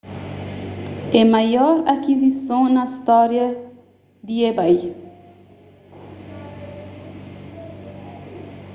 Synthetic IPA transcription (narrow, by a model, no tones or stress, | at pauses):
ɛmajɔɾakizisõwnɐist̪ɔɾjɐ | d̪iebaj